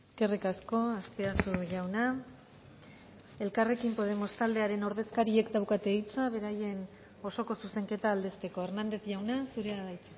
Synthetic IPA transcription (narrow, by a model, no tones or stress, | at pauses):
eske̞rikasko̞aspeasuʝawna | elkare̞kimpo̞ð̞e̞mo̞st̪ald̪e̞aɾe̞no̞ɾðe̞skaɾie̞kd̪awkat̪e̞it͡saβ̞e̞ɾaje̞n | o̞so̞ko̞suse̞ŋke̞t̪aːld̪e̞st̪e̞ko̞eɾnand̪e̞θʝawnasuɾeaβajt͡sa